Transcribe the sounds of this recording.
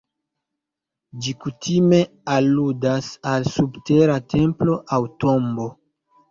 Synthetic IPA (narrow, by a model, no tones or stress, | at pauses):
d͡ʒikutʰime̞ | aludasalsubte̞ɾatʰe̞mplo̞ʔawto̞mbo̞